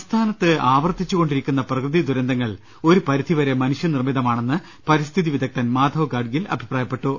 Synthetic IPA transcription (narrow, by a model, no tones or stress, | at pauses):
st̪ʰaːnɐt̪ːɨaːʋɐrt̪it͡ɕːuɣo̞ɳɖiɾikʲːunːɐprɐkrɨðid̪uɾɐnd̪ɐŋːɐɭ | o̞ɾupɐɾid̪ʰʱiʋɐɾe̞mɐnuʂjɐnirmid̪ɐmaːɳe̞nːɨ | pɐɾist̪ʰiðiʋid̪ʱɐk̚t̪ɐnmaːd̪ʱɐʋɡaːɖɡilɐ̰bʱipraːjɐpːe̞ʈːu